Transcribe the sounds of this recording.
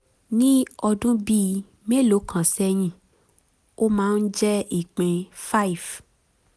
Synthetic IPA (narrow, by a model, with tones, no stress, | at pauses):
nĩ˦ɔ˧dũ˦bi˧˨ | me˦˨lo˨˦kʰã˨sɛ˦j̃ĩ˧˨ | o˦mãː˦n̩˦d͡ʒɛ˦i˨k͡pẽ˧fa˦i˨f